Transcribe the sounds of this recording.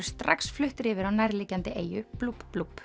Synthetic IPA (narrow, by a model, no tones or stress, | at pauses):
ɾ̥st̪ɾa̰ksflʏht̪ɾɪːvɪɾawnajɾliːcant̪ɪʔeːjʏplupplup